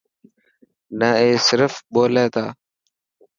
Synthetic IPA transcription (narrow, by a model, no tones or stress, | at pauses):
nəeːsɪɾəfɓoːleːt̪aː